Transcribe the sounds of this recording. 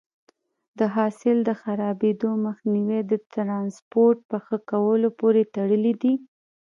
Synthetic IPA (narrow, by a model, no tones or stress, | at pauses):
d̪əɦɑsɪld̪əxaɾɑbed̪oməxniwed̪ət̪ɾɑnspoɾʈ̚pəxəkawəlopoɾet̪aɽəlid̪i